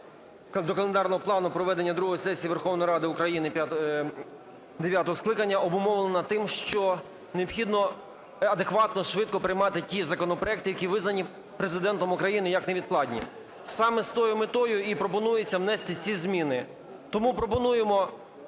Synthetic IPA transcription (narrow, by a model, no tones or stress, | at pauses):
d̪ɔkɐlˠend̪ɑrnɔɦɔplˠɑnʊpɾɔʋɛd̪enʲːɐd̪ɾuɦɔjsɛsʲijiʋerxɔwnɔjiɾɑd̪ɪʊkɾɐjinɪ | d̪eʋjat̪ɔɦɔsklˠɪkɐnʲːɐɔbʊmɔʋlˠenɐt̪ːɪmʃt͡ʃɔ | ne̞ɔpxʲid̪nɔ | ɐd̪ekʋɑt̪nɔʃʋɪd̪̚kɔpɾɪjmɑt̪ɪtʲizɐkɔnɔpɾɔɛk̚t̪ɪjɐkʲiʋɪznɐnʲi | pɾezɪd̪ɛnt̪ɔmʊkɾɐjinɪjɐkneʋʲid̪klˠɑdʲnʲḭ | sɑmɛst̪ɔjʊmɪt̪ɔjʊipɾɔpɔnujet͡sʲːɐwnɛst̪ɪt͡sʲizʲmʲinɪ | t̪ɔmupɾɔpɔnujemɔ